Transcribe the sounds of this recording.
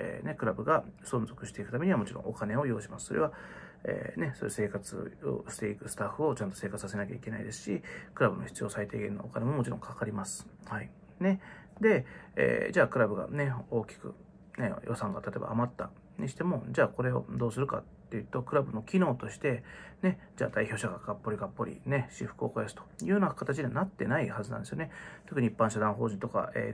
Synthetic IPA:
ḛne̞kɯ̟ɾabɯ̟ɡasõ̞nzo̞kɯ̟ɕi̥t̪e̞ikɯ̟t̪ame̞ɲ̟iamo̞t͡ɕiɾõʔokane̞o̞jo̞ːɕimasɨ̥so̞ɾe̞βaḛːne̞soese̞ːkat͡sɨ̰o̰ɕi̥t̪e̞ikɯ̟sɨ̥t̪aɸːɯ̟o̞t͡ɕãnt̪o̞se̞ːkat͡sɨ̥sas̬e̞nakʲa̰ike̞naid̪e̞sɨ̥ɕikɯ̟ɾabɯ̟noçʲi̥t͡sɨijo̞ːsait̪e̞ːɡẽ̞nːo̞ːkane̞mo̞mot͡ɕiɾõ̞ŋkakaɾʲimasɨ̥hai | ne̞d̪e̞ḛːd͡ʑaːkɯ̟ɾabɯ̟ɡa̰ne̞o̞ːkʲi̥kɯ̟̰ | nḛjo̞sãŋɡa̰t̪at̪o̞ba̰ːmat̪ːa | ɲiɕi̥t̪e̞mo̞d͡ʑaːko̞ɾe̞o̞̰d̪o̞ːsɨɾɯ̟ka̰t̪ːejɯ̟t̪o̞kɯ̟ɾabɯ̟no̞kʲino̞ːt̪o̞ɕi̥t̪e̞ne̞d͡ʑa̰ːd̪aiço̞ːɕaɡaɡ̥apːo̞ɾʲiɡapːo̞ɾʲḭne̞ɕiɸɯ̥kɯ̟okojasɨ̥t̪ojɯ̟ːjonakat̪at͡ɕiɲeanat̪ːe̞naihazɨnã̰nd̪esjone̞t̪okɯ̟ɲ̟iipːãɰ̃ɕ̬ad̪ãɦo̞ːʑĩnt̪o̞ka̰ḛː

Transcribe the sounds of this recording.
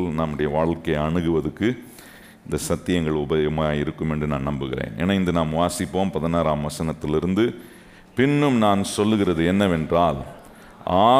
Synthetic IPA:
lnaːmɯɽɐjɐʋaːɭkɐɪɐɳɯɣɯʋɐðɯkːɯ | ɪnd̪ɐsɐt̪ːɪjɐŋɡɐɭʊbɐɐmaːjɪɾɯkːɯmɛndrɯnaːnɐmbɯɣɪɾḛːnɛ̰nɐɪnd̪ɯnaːmʋaːsɪpːoːmpɐðɐnaːɾaːmʋɐsɐnɐt̪ːɪlɪɾɯnd̪ɯ | pɪnːɯmnaːnsɔlːɯɣɪɾɐðɯɛnːɐʋɛndraːl | aː

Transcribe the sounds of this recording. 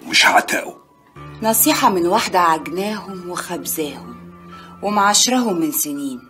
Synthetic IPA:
mɪʃʕat̪æ̰ːʔu | nɑsˤiːħɑmɪnwaħd̪aʕaɡnæːɦʊmwɪxæbzæːhʊmwɪmaʕaʃɾˤɑɦʊmːɪnsɪniːn

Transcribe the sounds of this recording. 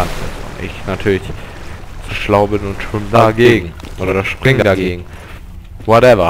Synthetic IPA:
anpʰɛ̰zo̰ːnʔɪ̰çnatʰyːɐlɪçz̥ʃlaʊbɪnʊntʃɪmdaɡeːɡŋ̩ʔoːɐʃpʁ̥ɪŋədadaɡeːɡŋ̩ | wɔtɛvɐ

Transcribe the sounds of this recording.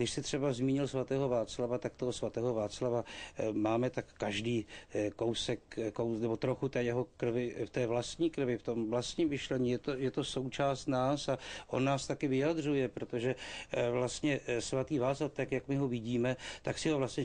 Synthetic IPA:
dɪʃsɪt̪r̥ɛbazmiːɲɪlsvat̪ɛːɦo̞vaːt͡slavat̪akt̪oɦosvat̪ɛːɦo̞vaːt͡slavamaːmɛt̪akːaʒdiːko̞wsɛkːownɛbo̞t̪ɾoxut̪ɛːjɛɦo̞kr̩vɪft̪ɛːvlast̪ɲiːkr̩vɪft̪o̞mvlast̪ɲiːmmɪʃlɛɲiːjɛt̪ojɛt̪o̞so̞wt͡ʃaːst̪naːsaʔo̞̰nːaːst̪akɪvɪjad̪r̝ujɛpɾo̞t̪o̞ʒɛvlast̪ɲɛsvat̪iːvaːt͡slaft̪akjakmɪɦovɪɟiːmɛt̪aksɪɦovlast̪ɲɛ

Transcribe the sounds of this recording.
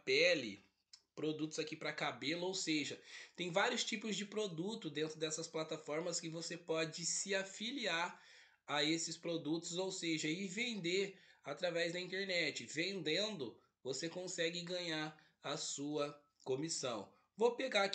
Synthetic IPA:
pɛlɪ̰ | pɾod̪ut̪ʊz̥akipɾɐkabelɐowseʒɐt̪ẽj̃vaɾjʊst͡ʃipʊzd͡ʒɪpɾod̪ut̪ʊd̪ẽnt̪ɾʊd̪ɛsɐsplat̪afɔɾmɐskɪvosepɔd͡ʒɪsɪafiliaɾ | aesɪspɾod̪ut̪ʊzowseʒɐɪvẽnd̪eat̪ɾavɛzd̪ɐĩnt̪eɾnɛt͡ʃɪvẽnd̪ẽnd̪ʊ | vosekõsɛɡɪɡɐ̃ɲaɾ | ɐsuɐ | kõmisɐ̃w̃ | vopeɡa

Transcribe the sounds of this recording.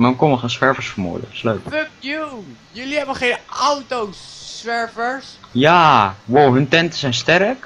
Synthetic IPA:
mankɔnməχenswɛɹvəɹsfəmṵələ̰ktɪ̥sløɥkføpjujɵliɦɛbəχejnawtowsʋɛɹvəɹsjaːwowɦɵntɛntəsɛjnstɛɾək

